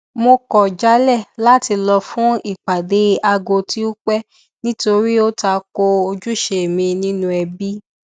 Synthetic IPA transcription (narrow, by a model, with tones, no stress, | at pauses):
mo˧kɔ˨d͡ʒa˨˦lɛ˦˨la˦˨ti˧lɔ˧fũ˦i˦˨k͡pa˨de˨˦a˧ɡo˧ti˦o˦k͡pɛ˦ | nĩ˦to˧ɾi˦o˦ta˧˦ko˧o˧d͡ʒu˦ʃe˨e˨mĩ˧nĩ˦nũ˦ɛ˧bi˦